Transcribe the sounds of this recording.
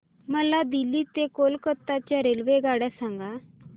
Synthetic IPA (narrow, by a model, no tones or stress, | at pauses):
məlad̪ilːit̪ekolkət̪ːat͡ɕjaɾelʋeɡaɽjasaŋɡa